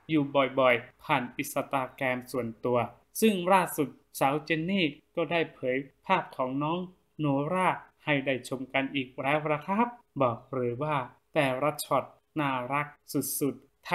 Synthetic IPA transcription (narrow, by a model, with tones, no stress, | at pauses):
juː˨˩bɔ˨˩jbɔ˨˩jpʰaː˨˩nʔi˨˩t̪̚sa˧t̪aː˧kɛː˧msu˨˩ənt̪u˧ɐ | sɯ˥˩ŋɾaː˥˩su˨˩t̪̚ | saː˩˦wt͡ɕe˧nːiː˥˩kɔː˥˩daː˥˩jpʰɤː˩˦jpʰaː˥˩p̚kʰɔː˩˦ŋnɔː˦˥ŋ | noː˨˦ɾaː˥˩ha˧˩jda˥˩jt͡ɕʰo˧mka˧nʔiː˨˩k̚ɾɛː˦˥wɾa˧kʰa˦˥˩p̚bɔː˨˩k̚ɾɯː˩˦waː˥˩t̪ɛː˨˩ɾa˦˧˥t̪̚t͡ɕʰɔ˨˩t̪̚ | naː˧˩ɾa˦˥k̚su˨˩t̪̚su˨˩t̪̚ʰː